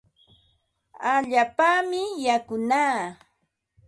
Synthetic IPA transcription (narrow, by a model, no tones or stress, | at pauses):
aʎaːpaːmɪjakʊnaː